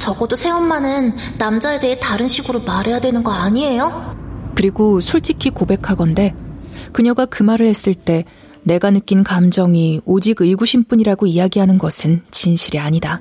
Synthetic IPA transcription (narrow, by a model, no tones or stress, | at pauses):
t͡ɕʌɡʌdosʰe̞omːanɯnː | amd͡ʑae̞de̞ɦetaɾɯnɕʰiɡɯɾomaɾe̞jadwe̞nɯnɡʌaɲie̞jokɯɾiɡosʰoɭt͡ɕ͈ikʰikobe̞kʰaɡʌnde̞kɯɲʌɡakɯmaɾɯɭhe̞s͈ɯɭt͈e̞ | ne̞ɡanɯk͈inkamd͡ʑʌŋiod͡ʑiɡɯɭɡuɕʰinp͈uɲiɾaɡoijaɡiɦanɯnɡʌsʰɯnt͡ɕinɕʰiɾiaɲida